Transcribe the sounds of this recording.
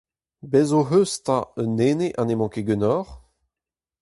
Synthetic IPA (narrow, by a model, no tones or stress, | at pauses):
bɛzoɦøsta̰ønːeːneʔanemɑ̃keɡønɔʁ